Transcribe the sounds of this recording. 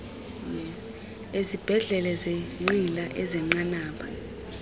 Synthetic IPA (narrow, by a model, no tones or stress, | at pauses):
ɛ | ezib̥ʱɛɮɛlɛzeŋ͡ǃilaʔɛzɛŋ͡ǃanaːpʰa̰